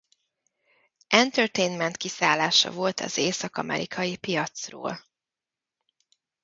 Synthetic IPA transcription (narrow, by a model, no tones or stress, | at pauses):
ʔɛnt̪ørt̪ejnmɛnt̪kisaːlːaːʃɒ̰vo̞lt̪ʰɒzeːsɒkɒmʔɛ̰ɾʔikʰɒjipijɒt̪sro̰ːl